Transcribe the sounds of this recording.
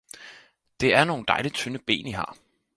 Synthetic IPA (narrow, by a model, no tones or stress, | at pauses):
d̥e̝æɐno̝ːn̩d̥ɑ̈ɪlit͡sʰønəb̥e̝̰ːnihɑ̰̈ː